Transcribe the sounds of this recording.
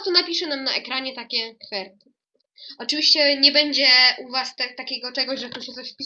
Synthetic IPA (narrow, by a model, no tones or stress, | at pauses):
t̪ɔnapʲiʂɛnamnaʔɛkɾaɲɛt̪akʲɛkfɛɾt̪ɘ̥ | ɔt͡ʂɨvʲiɕt͡ɕɛɲɛbɛɲd͡ʑɛʔuvast̪ɛt̪akʲɛɡɔt͡ʂɛɡɔʑʐɛt̪ɔɕɛt̪ɔɕfpʲi